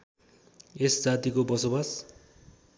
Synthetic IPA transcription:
esd͡zat̪ikobʌsobas

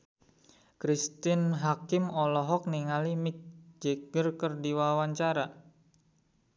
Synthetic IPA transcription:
kɾist̪ɪnɦakɪmɔlɔɦɔk̚niŋalimɪk̚d͡ʒeɡ̥ərkərdiwawaɲt͡ʃaɾa

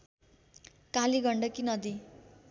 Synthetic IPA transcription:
kaliɡʱʌɳɖʌkinʌd̪i

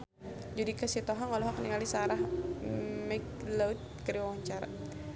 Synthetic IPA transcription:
d͡ʒudikasit̪ɔɦaŋɔlɔɦɔk̚niŋalisaaɾah | mɛklaut̪̚kəɾiwawaɲt͡ʃaɾa̰

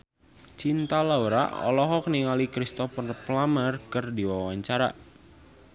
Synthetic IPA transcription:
t͡ʃint̪alauɾa̰ɔ̰lɔɦɔk̚niŋalikɾist̪ɔfrplamərkərdiwawaɲt͡ʃaɾa

